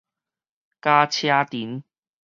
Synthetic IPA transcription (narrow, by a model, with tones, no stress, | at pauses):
kaː˧t͡ɕʰjaː˧t̪i˨˦n